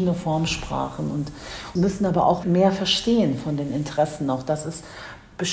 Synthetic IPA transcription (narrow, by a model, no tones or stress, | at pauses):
nəfɔɐmʃpʁ̥a̰ːχn̩ʊntmʏsn̩ʔaːbɐʔa̰ʊxmeːɐfɛɐʃteːənfɔndeːnɪntʰəʁɛsn̩aʊxd̥asɪst | b̥əʃ